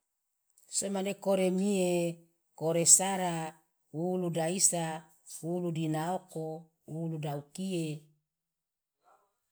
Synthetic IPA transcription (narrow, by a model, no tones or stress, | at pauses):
semanekoɾemie | koɾesaɾa | uludaisa | uludinaoko | uludaukie